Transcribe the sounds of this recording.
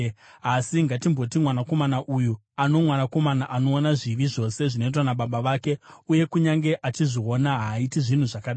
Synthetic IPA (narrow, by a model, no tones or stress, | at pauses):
asiŋɡatimbo̞timwanako̞manaʔuju | ano̞mwanako̞manaʔano̞ːnaʐiʋiʐo̞se̞ʐino̞it̬wanaɓaɓaʋaːke̞uje̞kuɲaŋɡe̞ʔat͡ʃiʐio̞naɦaitiʐin̤uʐakaɗa